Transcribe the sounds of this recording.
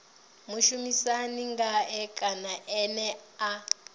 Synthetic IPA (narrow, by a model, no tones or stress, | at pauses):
muʃumisaniŋɡaɛkʼanaʔɛnɛa